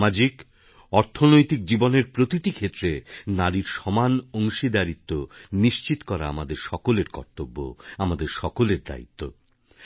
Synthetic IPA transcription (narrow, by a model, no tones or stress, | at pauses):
mad͡ʑik | ɔɾt̪ʰonojt̪ik̚d͡ʑiboneɾpɾot̪it̪ikʰet̪ːɾenaɾiɾʃɔmanoŋʃid̪aɾit̪ːoniʃt͡ɕit̪okɔɾa̰amad̪eɾʃɔkoleɾkɔ̰ɾt̪obːo̰amad̪eɾʃɔkoleɾd̪a̰ḭt̪ːo